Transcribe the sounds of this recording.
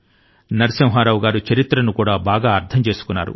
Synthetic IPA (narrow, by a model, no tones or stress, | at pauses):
nɐɾisɐwɦaːɾaːʋuɡaːɾut͡ʃɐɾit̪ɾɐnukuːɽaːbaːɡaːɐɾt̪ʰɐmt͡ʃe̞ːsu̥kunːa̰ːɾṵ